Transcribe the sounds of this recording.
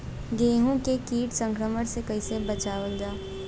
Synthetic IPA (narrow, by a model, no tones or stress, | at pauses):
ɡeːɦũkekiːʈsə̃ŋkɾəməɽsekɐisebɐt͡ʃaːʋəld͡ʒaː